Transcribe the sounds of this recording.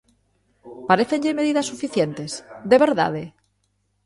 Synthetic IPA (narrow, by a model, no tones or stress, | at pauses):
paɾeθeɲʎeme̞ðiðasːufiθjent̪e̞zd̪eβe̞ɾða̰ðe